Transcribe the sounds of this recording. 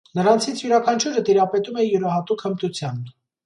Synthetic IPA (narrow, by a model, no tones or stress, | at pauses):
nəɾɑnt͡sʰit͡sʰjuɾɑkʰɑnt͡ʃʰuɾət̪iɾɑpɛt̪umɛjuɾɑɦɑt̪ukʰəmt̪ut͡sʰjɑn